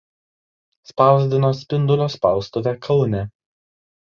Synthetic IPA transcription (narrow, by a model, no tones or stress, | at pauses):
spɑˑʊzʲd̪ʲɪnoːsʲpʲɪnd̪ʊlʲoːspɑˑʊst̪oːʋʲɛkʰɐʊnʲɛ